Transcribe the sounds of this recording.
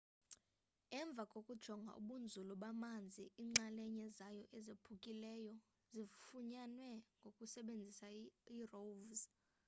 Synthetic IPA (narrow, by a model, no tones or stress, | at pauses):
ɛɱb̪vʱakʼokʼud̥ʒ̥ʱɔŋɡʱa̰ʔṵɓund͡zʱulɔɓamand͡zʱiiŋ͡ǁalɛɲɛzajɔʔɛzepʰukʼilɛjɔ | zifuɲanwɛŋɡʱokʼusɛɓend͡zʱisairovz